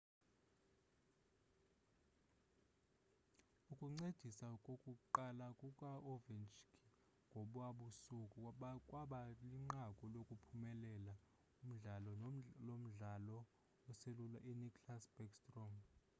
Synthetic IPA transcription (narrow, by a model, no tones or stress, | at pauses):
ukʼuŋ͡ǀed̥ʱisakʼokʼuǃalakʼukʼaɔvɛnt͡ʃkʰʼi | ŋɡʱoɓwaɓusukʼuɓakʼwaɓaliŋ͡ǃakʼɔlokʼupʰumɛlɛla | um̩ɮalɔlom̩ɮalɔ | ɔselulaʔinikʰʼlasb̥ɛkstʼrɔm